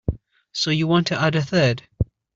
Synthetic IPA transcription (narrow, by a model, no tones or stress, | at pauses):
soʊjɨwɑ̃ntʰɨʔʌɾɨθɜd̥